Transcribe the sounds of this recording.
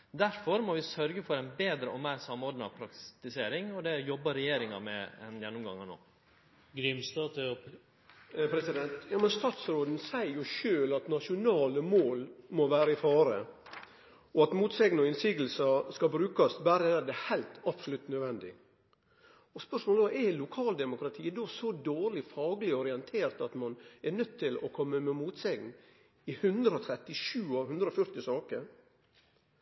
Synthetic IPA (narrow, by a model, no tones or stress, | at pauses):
d̪æɾfɔɾmɔʋɪsœɾɡəfɔɾæɪnbeːd̪ɾəɔmæɪɾsɑmːɔɾɖ̪nəɑ̰ʋpʰɾɑkt̪ɪseːɾɪŋɔd̪ɛjɔbːəɾɛjeːɾɪŋɑmɛ̰ɛ̰njɛnːʊmɡɑ̰ŋːəno̰ː | ɡɾʏmst̪ɑːt̪ | pʰɾɛsɪd̪ɛnt̪jɑːmənst̪ɑːt̪sɾoːd̪n̩sæɪɾjʊʃøːlɑt̪nɑʂʊnɑːləmoːlmɔʋæːɾəɪfɑːɾə | ɔɑt̪muːt̪sɛŋnɔɪnsiːɡəl̩sɑskɑbɾʉːkɑsbæɾəɛd̪ɛhæɪlt̪ɑbsɔlʉt̪ːnœʋɛnd̪ɪ̰ | ɔspœʂmoːləʋɑɛlʊkʰɑːld̪ɛmʊkɾɑt̪ʰiːd̪ɔsɔd̪oːɾlɪfɑːɡəlɪɔɾɪɛnt̪ʰeːɾt̪ɑt̪mɑnɛɾnœt̪ʰːɪlɔkʰɔmːəmɛmuːt̪sɛŋn | ɪhʉnd̪ɾəɔt̪ʰɾɛt̪ːɪʂʉːɑʋhʉnd̪ɾəɔfœɾt̪ɪsɑːkəɾ